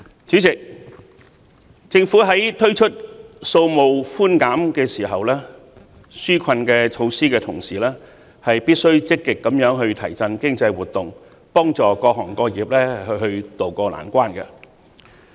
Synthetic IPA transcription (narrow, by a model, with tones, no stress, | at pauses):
t͡syː˨˥t͡sɪ˨˩k̚ | t͡sɪ˧ŋfuː˨˥ɦɐ˨˥jt̪ʰɵ˥ɥt͡ʃʰɵ˥t̚so˧wmo˨wfuː˥nkaː˨˥mkɛː˧siː˨˩ɦɐ˨wlɛː˥ | syː˥kʰɐ˧nkɛː˧t͡ʃʰo˨˧wsiː˥kɛː˧t̪ʰʊ˨˩ŋsiː˨˩lɛː˥ | hɐ˨jpiː˥t̚sɵ˥ɥt͡sɪ˥kːɪ˨kːɐ˨˥mjœː˨˥ŋɦɵ˧ɥt̪ʰɐ˨˩jt͡sɐ˧nkɪ˥ŋt͡sɐ˧jwuː˨t̪̚ːʊ˨ŋ | pɔː˥ŋt͡sɔː˨˩kɔː˧k̚ɦɔː˨˩ŋkɔː˧jiː˨˩p̚lɛː˥hɵ˧ɦɵ˧ɥt̪o˨˩wkɔː˧la̰ː˨˩nkʷaː˥nkɛ̰˧